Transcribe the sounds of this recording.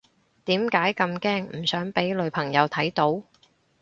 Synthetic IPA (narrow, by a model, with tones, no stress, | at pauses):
t̪iː˨˥mkaː˨˥jkɐ˧mkɛː˥ŋm̩˨˩sœː˨˥ŋpe˨˥jlɵ˨˧ɥpʰɐ˨˩ŋjɐ˨˧wt̪ʰɐ˨˥jt̪o˨˥w